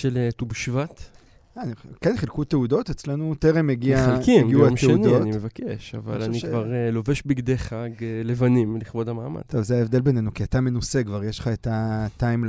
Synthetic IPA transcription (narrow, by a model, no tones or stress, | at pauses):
ʃeletubʃvat̪ | anikenχilkuteud̪o̞tet͡slenuteʁemjeɡialkiɡiuameundoimevake̞ʃa̰va̰laniʃvaʁeloveʃbiɡd̪eχaɡlevanimliχbo̞damaːma̰dt̪ovzeaevd̪e̞lbe̞ne̞nukiatame̞nusekvaʁjeʃlχaetatajm